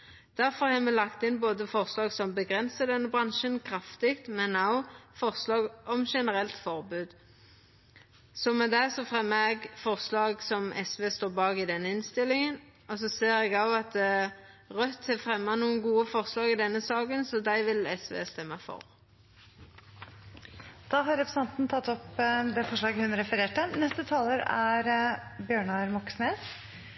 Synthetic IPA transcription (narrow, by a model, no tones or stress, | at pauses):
d̪̥æʁfɔʁhɑːmɛlɑkt̪ɪnboːd̪əfɔʁslɑːɡsɔmbəɡʁɛnsəd̪ɛnːəbʁɑnʃənkʰɾɑft̪ɪkt̪mɛnɑʊfɔʁslɑːɡɔmʃɛnəʁɛlt̪fɔʁbʉːd̪ | sɔmɛd̪ɛsɔfʁɛmːɑɛɡfɔʁslɑːɡsɔmɛ̰sʋeːst̪oːbɑːɡɪd̪ɛnːəɪnst̪ɪlɪŋən | ɔs̬ɔseːɾɛɡɑʊɑt̪̚d̪ɛ | ʁœt̪ʰːɛfɾɛmːɑnuːənɡuːəfɔʁslɑːɡɪd̪ɛnːəsɑːɡənsɔd̪æɪʋɪlɛsʋḛːst̪ɛmːɑfɔ̰ɾ | d̪̥ɑːɦɑɾɛpɾəsɛnt̪nt̪ʰɑt̪ːɔpd̪ɛfɔʂɭɑːɡəhʉnɾɛfəɾeːʈənɛst̪ət̪ʰɑːləɾæɾbjøːɳɑɾmɔksneːs